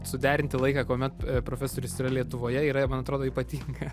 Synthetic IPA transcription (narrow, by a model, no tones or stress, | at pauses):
sʊd̪ʲæːɾʲɪnʲt̪ʲɪlˠɐɪkɑːkoːmʲɛt̪pɾoːfʲæsoːɾʲʊsiːɾɐlʲiɛt̪ʊʋoːjɛiːɾɐmɐnɐt̪ɾoːd̪oːiːpɐt̪ʲiːŋɡɐ